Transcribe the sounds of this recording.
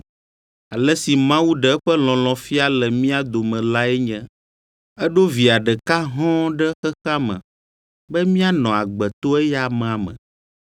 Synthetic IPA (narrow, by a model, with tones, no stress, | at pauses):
a˨lɛ˦si˨mã˦wu˦ɖɛ˦ɛ˦ɸɛ˦lɔ̃˨lɔ̃˨fi˦a˦lɛ˨mĩ˦a˦d̪o˨mɛ̃˨la˦ɛ˦ɲɛ̃˦ | ɛ˦ɖo˦vi˨a˨ɖɛ˨ka˦ɦɔ̃˦ɖɛ˦xɛ˦xa˦mɛ̰̃˨ | bɛ˦mĩ˦a˦nɔ̃˨a˨ɡ͡bɛ˨t̪o˦ɛ˦ja˦mɛ̃˨a˨mɛ̰̃˨